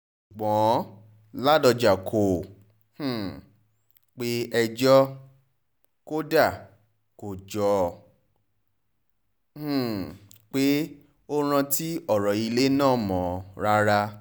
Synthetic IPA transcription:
ʃu˨ɡ͡bɔ̃˨˦ | la˦dɔ˧d͡ʒa˨kʰo˨ | h̩˦˨ | k͡pe˦ɛ˧d͡ʒɔ˦ | ko˦da˦˨ | ko˨d͡ʒɔ˨˦ | h̩˨ | k͡pe˦ | o˦ɾ̃ã˧ti˦ɔ˦˨ɾɔ˨i˧le˦nãː˦˨mɔ̃˨ɾa˦ɾa˧

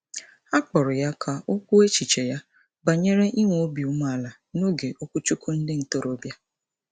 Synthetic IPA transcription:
a˦k͡pɔ˨ɾʊ˨ja˦kʰa˨ʔo˦kʷu˦e˦t͡ʃi˨t͡ʃe˨ja˦ | ba˨ɲe˦ɾe˦ʔi˦ŋʷ˨o˦bi˨u˦m˦a˨la˨ | no˦ɡe˨ʔo˦kʷu˦t͡ʃu˦ku˦n̩˦dɪ˦n̩˨to˦ɾo˦bja˦

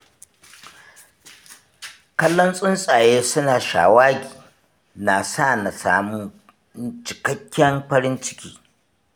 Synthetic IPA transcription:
kɐ˦lːɔ˦nsʼʊ˦nsʼaː˨jeː˦sʊ˦naː˨ʃa̰ː˨waː˦ɡʲiː˨ | na˨sa˦˨na˨sa̰ː˨mu˦ | t͡ʃɪ̥˨kɐ˦kʲʰːɐ˦mɸɐ˦ɾɪ˦nt͡ʃɪ̥˦kʲiː˦

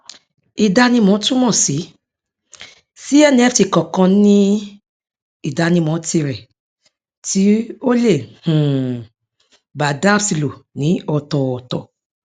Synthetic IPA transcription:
i˧da˧nĩ˧mɔ̃˨˦tũ˦mɔ̃˦˨si˨˦ | si˦ɛ˦˨nĩ˧˦ɛ˦fti˨˧˨kɔ̃˨kã˧nĩ˦ | i˦˨da˧nĩ˧mɔ̃˨˦ti˧ɾɛ˨ | ti˨˦o˦le˦˨hũ˨ | ba˨da˦bsi˧lo˨nĩ˨˦ɔ˧tɔ˨ɔ˨tɔ˨

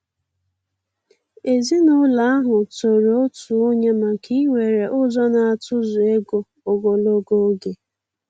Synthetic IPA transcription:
e˨zi˦nʊ˦la˨˦a˦ɦʊ˨to˨ɾo˦tu˨o˦ɲe˦ma˨kʰi˦i˦we˨ɾe˨ʔʊ˦zɔ˦na˨a˨tʊ˦zʊ˨e˦ɡo˨ | o˨ɡo˨lo˦ɡo˦ɡe˨

